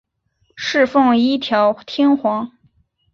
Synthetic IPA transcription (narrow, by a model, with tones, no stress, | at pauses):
ʂɻ̩˥˧fɤ˥˩ŋi˥t̪ʰjɑ˧˥ʊt̪ʰjɛ˥nxwɑ˧˥ŋ